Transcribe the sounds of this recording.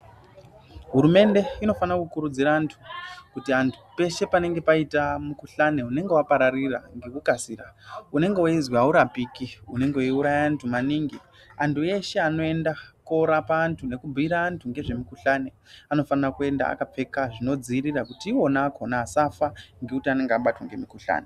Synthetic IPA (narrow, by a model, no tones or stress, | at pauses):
ɦuɾume̞nde̞ino̞fanakukuɾud͡ziɾaːntʰu̥kutiantʰu̥pe̞ʃe̞pane̞ŋɡe̞paitamukuɬane̞une̞ŋɡe̞wapaɾariraŋɡe̞kukasiːraune̞ŋɡewaizwauɾapikiune̞ŋɡewiuɾajaːntʰumaniːŋɡi | antʰue̞ʃe̞ano̞e̞ndako̞ɾapaːntʰune̞kubʱiɾaːntʰuŋɡe̞ʐe̞mikuɬane̞ | ano̞fanrakue̞nda̰a̰kap͡fe̞kaʐino̞d͡zirirakutiːwo̞nakʰonaːsafaŋɡekutiane̞ŋɡeaɓatwaŋɡemikuɬa̰ːne